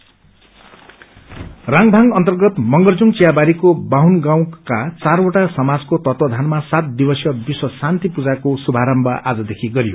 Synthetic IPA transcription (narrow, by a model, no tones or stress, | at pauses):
rãŋbʱaŋʌnt̪ʌrɡʌt̪mʌŋɡʌrd͡zuŋt͡sijabaɾikobawnɡãw̃kat͡saroʈasʌmad͡zkot̪ʌt̪wʌd̪ʱanmasat̪̚d̪ibʌsjʌbiswʌsant̪ipud͡zakosubʱaɾʌmbʱʌʔad͡zʌd̪ekʰiɡʌɾijo̰